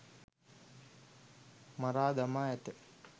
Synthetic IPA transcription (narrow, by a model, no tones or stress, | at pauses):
maɾaːd̪amaːɛt̪ə